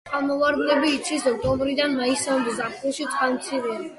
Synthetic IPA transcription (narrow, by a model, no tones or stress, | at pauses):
alˠmɔvaɾd̪lɛbiːt̪t͡ʃ̪ʰisɔk̚t̪ʼɔmbɾid̪anmaisɛbzapʰuʃit̪sʼqʼanmt̪sʰivɔ